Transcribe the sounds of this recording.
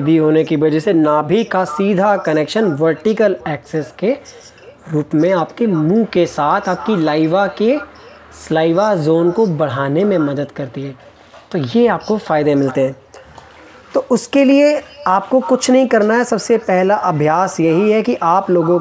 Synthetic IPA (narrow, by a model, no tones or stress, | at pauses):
ɪd̪ʱiɦoːnekiʋɐd͡ʒɛsenaːbʱikasiːd̪ʱakɐneːkʃənʋɐɾʈɪkəlɛːksɛske | ɾuːpmẽaːpkemũːkesaːt̪ʰaːp̚kilaːɪʋake | slaːɪʋazoːnkobɐɽ̤aːnemẽmɐd̪əd̪kɐɾt̪iɦɛː | t̪oːjeaːp̚kofaːɪd̪emɪlt̪eɦɛ̃ː | t̪oːʔʊskelieaːp̚kokʊt͡ʃʰnɐɦĩkɐɾnaɦɛsɐbsepɛɦlaʔɐbʱjaːsjɐɦiɦɛkiʔaːploːɡõ